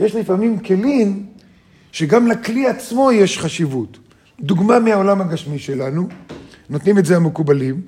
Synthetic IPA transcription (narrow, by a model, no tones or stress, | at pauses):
je̞ʃlifamimke̞lin | ʃe̞ɡamlakliat͡smo̞je̞ʃχaʃivut | duɡmameao̞lamhaɡaʃmiʃe̞lanunotnime̞tzeamekubalim